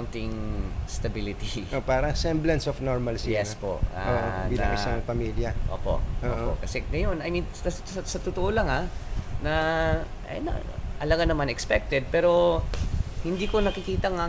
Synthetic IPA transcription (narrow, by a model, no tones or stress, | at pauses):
nt̪ɪŋst̪ɐbilɪt̪iʔopaːɾɐŋsɛmblɐnsofnoɹmɐlsijɛspo̰ʔaoʔbinasaŋpɐmiljɐʔoːpo̞̰ʔʔoːʔʔokɐsɛŋɐjo̞nɐjminsɐssɐsɐt̪ʊt̪oʔolɐŋanɐʔnɐ̰ʔɐlaɡanɐmanɛkspɛk̚t̪ɛd̪̚pɛːɾo̞ | hɪnd̪iːko̞nɐkɪkiːt̪ɐŋa